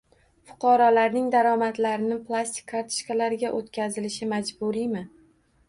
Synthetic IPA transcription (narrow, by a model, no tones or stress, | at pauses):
fʊ̥qʰɒɾɒlaɾnɪŋd̪aɾɒmat̪laɾɪnɪplˠast̪ɪ̥k̚ʲʰːaɾt̪ʰɪ̥ʃkalaɾɪɡʲaʔot̪kʲʰazɪlɪʃɪmad͡ʒbʊɾijmɪ